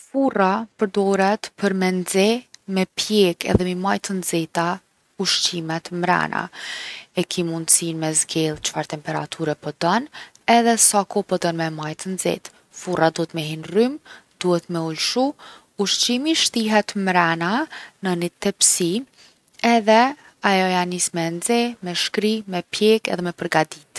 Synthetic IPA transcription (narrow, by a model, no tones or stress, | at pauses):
furapəɾd̪ɔɾɛt̪pəɾmɛnd͡zɛmɛpjɛkɛ̰ðɛmimajt̪ənd͡zɛt̪a | uʃt͡ɕimɛt̪mɾa̰nʔa̰ | ɛkʰimund̪sinmɛzɡɛlˠt͡ʃə̥faɾt̪ɛmpɛɾa̰t̪ʰuɾɛpɔd̪ɔn | ɛðɛsakɔpɔd̪ɔnmɛmajt̪ənzɛ̰t̪ | furʔad̪uɛt̪mɛɦinrymd̪̥uhɛt̪mɛulʃu | uʃt͡ɕimiʃt̪iɦɛt̪mɾananənit̪ɛpsi | ɛðɛ | ajɔjanismɛnzɛmɛʃkɾimɛpjɛkɛ̰ðɛmɛpəɾɡad̪it̪